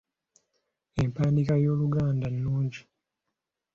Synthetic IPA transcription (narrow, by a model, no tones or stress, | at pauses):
empaːndikajo̞ːluɡaːndanːuːɲɟi